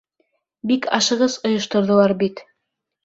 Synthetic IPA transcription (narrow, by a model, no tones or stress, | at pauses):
bikɑʃɤ̆ʁɤzŏjŏʃt̪ŏɾðɤ̆lˠɑɾbit̪